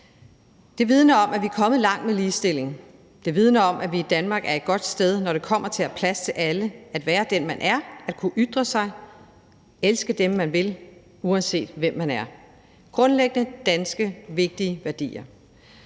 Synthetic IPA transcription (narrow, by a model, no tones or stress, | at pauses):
d̥e̝ʋið̞ˠnɐɒ̽mʔæʋiæɐkʰɒ̽mð̩ˠlɑ̈ŋ̰̥meliːsd̥e̝le̝ŋ | d̥e̝ʋið̞ˠnɐɒ̽mʔæʋiːd̥ænmɑ̈ːɡ̥æɐe̝d̥̚ɡ̥ɒ̽d̥sd̥eð̞ˠnɒɾ̥e̝kʰɒ̽m̰ɐt͡sʰe̝læpʰlæst͡sʰe̝læləæd̥ʋæːɐd̥enmænʔæɐæd̥kʰuʔyd̥ʁɐsɑ̈ɪ | elsɡ̥əd̥emːænʋe̝l | uɛnse̝̰ːd̥ʋem̰ːænæɐ | ɡ̥ʁɔ̽nleɡ̥ənəd̥ænsɡ̥əʋe̝ɡ̥̚d̥iəʋæɐd̥ḭːɐ